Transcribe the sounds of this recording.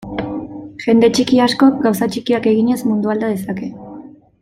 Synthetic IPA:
ʝe̞nd̪e̞t͡ʃikiasko̞ɡawsat͡ʃikiake̞ɣiɲe̞zmund̪uald̪að̞e̞sake̞

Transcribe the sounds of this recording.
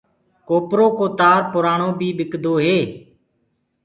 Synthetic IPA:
koːpɾoːkoːt̪aːɾpʊɾaːɳoːbʱiːɓɪkd̪ʱoːɦeː

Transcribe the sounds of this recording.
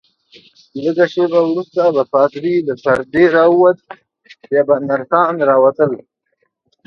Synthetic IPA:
ləɡaʃebawɾust̪abafɑːt̪ɾiləpaɾd̪eɾɑwuwat̪̚ | bjɑːbanaɾxɑːnɾɑwat̪əl

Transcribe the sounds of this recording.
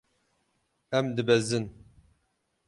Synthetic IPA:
ɛmd̪ɨbɛzɨn

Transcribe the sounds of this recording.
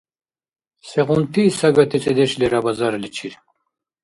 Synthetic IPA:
seʁunt̪iːsɐɡɐt̪ʰet͡sed̪eɕleɾabɐzaɾlit͡ɕʰiɾ

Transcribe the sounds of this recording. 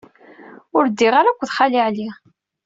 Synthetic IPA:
ʊɾd̪ːiʁaɾækʷːðχaliʕli

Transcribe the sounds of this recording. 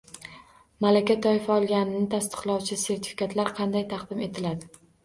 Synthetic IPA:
malakʲat̪ʰɒɪfaɒlˠɡʲanɪnɪt̪ʰast̪ɨ̥qlˠɒwt͡ʃʰɪse̞ɾt̪ʰɪ̥fɪ̥kʰʲat̪laɾqʰɑnd̪ajt̪ʰɑqd̪ɪme̞t̪ʰɪlad̪ɪ

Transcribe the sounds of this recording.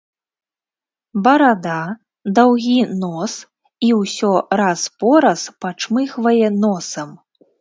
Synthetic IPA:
bɐɾad̪a | d̪awɣʲinɔs | iwsʲɔɾaspɔɾɐspat͡ʂmɨxvɐjɛnɔsɐm

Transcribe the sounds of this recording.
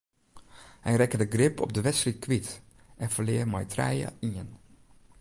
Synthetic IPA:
hɛjrɛkədəɡrɪpɔ̰b̚dəʋɛtsritkʋit | ʔɛnfəlɪːrmɛjtrɛ̰jə̰iən

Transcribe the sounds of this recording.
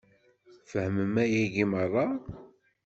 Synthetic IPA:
fəhməmæjæʝimərˤːɑ

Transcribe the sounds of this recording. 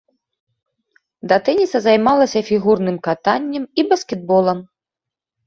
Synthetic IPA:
d̪ɐt̪ɛnʲisɐzajmalˠɐsʲɐfʲiɣurnɨmkat̪anʲːɐmibɐskʲɛd̪̚bɔlˠɐm

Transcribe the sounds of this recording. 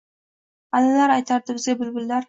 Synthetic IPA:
alalaɾajt̪ʰaɾd̪ɪbɪzɡʲabɪlbɪlːaɾ

